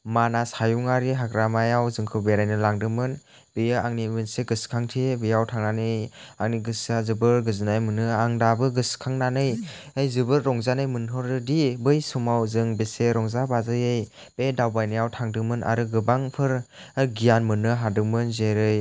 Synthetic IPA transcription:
manasajuŋaɾiɦaɡɾamajawzɯŋkʰɯwbeɾajnɯlaŋdɯmɯn | b̥ɯjɯaŋnimɯnseɡɯskʰaŋtʰibɯjawtʰaŋnanɯjaŋniɡɯsazɯbɯɾɡɯzɯnajmɯnɯaŋdabɯɡɯskʰaŋnanɯj | ajzɯbɯɾːɔŋzanɯjmɯnɦɔɾɯdibɯjsumawzɯŋbeseɾɔŋzabazɯjej | b̥edawbajnɯjawtʰaŋdɯmɯnʔa̰ɾɯɡɯbaŋpʰɯɾ | ɡijanmɯnɯɦadɯmɯnzeɾɯj

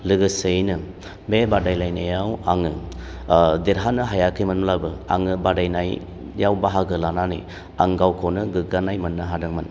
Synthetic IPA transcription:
lɯɡɯsɯjnɯ | mebadajlajnajawaŋɯ | d̪iɾɦanɯɦajakʰɯjmɯnmlabɯa̰ŋɯbadajnaj | jawbaɦaɡɯlananɯ̰j | aŋɡawkʰownɯɡɯɡanajmɯnːɯɦadɯŋman

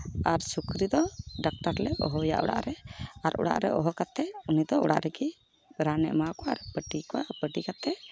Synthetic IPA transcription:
aɾsukɾid̪ɔɖak̚ʈaɾlɛʔɔ̰ɦɔja̰ʔɔ̰ɽa̰ʔɾɛaɾʔɔ̰ɽa̰ʔɾɛʔɔɦɔkat̪ɛunid̪ɔɔɽa̰ʔɾɛɡi | ɾanɛ̰ʔmakɔaɾɛpəʈikɔapəʈikat̪ɛ

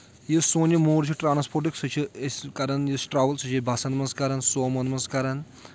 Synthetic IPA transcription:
jisoːnʲimoːɾt͡ʃʰiʈɾaːnspoɾʈ̬iksɐt͡ʃʰieskɐɾɐnjisʈɾaːʋəlsɐt͡ʃʰibʱɐsɐnd̪mɐnskɐɾɐnsoːmɐnd̪mɐnskɐɾɐn

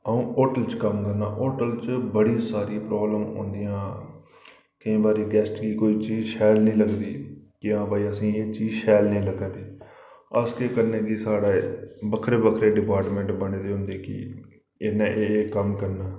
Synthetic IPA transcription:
əũːoːʈəlt͡ʃkəmkəɾna̰ːʔoːʈəlt͡ʃbəɽĩsaːɾĩpɾoːbləmõ̰ːnd̪ijãː | kɪĩːbaːɾiːɡɛːsʈkiːkoːiːt͡ʃiːzʃɛːlnĩːləkd̪iːkɪãːbaːiːəsĩːeːt͡ʃiːzʃɛːlnĩːləɡaːt̪iː | əskeːkəɾneːd̪iːsaːɽaːbəkʰɾeːbəkʰɾeːɖɪpaːɾʈmɛ̃ɳʈbəɳeːd̪eːɦʊ̃nd̪eːkɪ̰ | ɪnãːʔeːkəmkəɾnaː

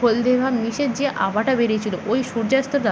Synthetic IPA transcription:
old̪ebʱaniʃeɾd͡ʑeʔa̰baʈabeɾet͡ɕʰiloʔojʃuɾd͡ʑast̪oɾd̪a

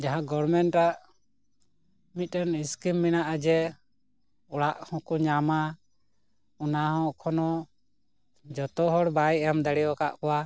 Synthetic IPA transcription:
d͡ʒaɦãɡɔɾmɛnʈɾaʔ | mit̪̚ˀɾɛniskimːinaʔad͡ʒɛ | ɔɽaʔhɔ̃kuɲama | unahɔ̃kʰɔnɔ | d͡ʒɔt̪ɔɦɔɽbajjamd̪ɛɽɛjɔka̰ʔkɔwa

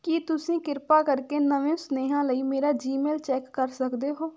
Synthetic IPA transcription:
kiːt̪ʊsĩːkɪɾpaːkəɾkeːnəʋẽːsneːɦãːləiːmeːɾaːd͡ʒiːmeːlt͡ʃɛːkːəɾsəkd̪eːɦoː

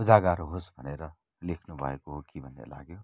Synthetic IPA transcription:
ud͡zaɡaɾɦosbʱʌneɾʌ | lekʰnubʱʌ̰ekoɦokibʱʌnḛla̰ɡjo

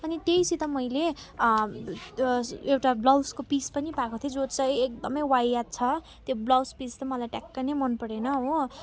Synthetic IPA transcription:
ʌniʈejsit̪ʌmʌjle | ewʈablʌwskopispʌnipakot̪ʰjod͡zot͡sʌ̃j̃ek̚d̪ʌmʌjwajat̪̚t͡sʰʌ | t̪joblʌwspist̪ʌmʌlajʈakːanemʌnpʌɾenʌɦõ

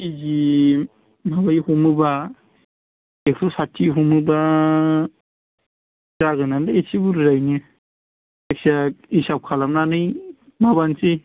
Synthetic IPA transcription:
izi | mabajhumɯba | eksɔsatʰːiɦumɯba | ɾaɡɯnandaesibuɾzajnɯ | eksaisap̚kʰalamnanɯj | mabansi

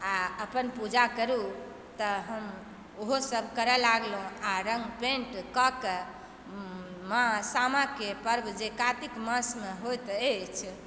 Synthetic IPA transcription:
aəpənpud͡ʒakəɾu | t̪ɔɦəm | oɦosəbʱkəɾɛlaɡlɦũaɾəŋɡpẽɳʈkɔke | mãsamakepəɾbd͡ʒekat̪ikməsmeɦojt̪et͡ʃʰ

